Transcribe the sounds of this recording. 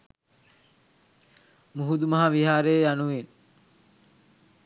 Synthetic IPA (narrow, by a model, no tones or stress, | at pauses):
muɦud̪umɐɦaʋiɦaːɾejːjanuʋen